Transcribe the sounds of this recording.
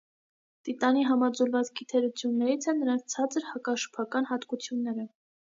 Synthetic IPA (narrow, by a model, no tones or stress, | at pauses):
t̪it̪ɑniɦɑmɑd͡zuɾvɑt͡sɡit̪ʰɛɾut͡sʰjunːɛɾit͡sʰɛnːəɾɑnt͡st͡sʰɑt͡səɾhɑkɑʃə̥pʰɑkɑnɦɑt̪kut͡sʰjunːɛɾə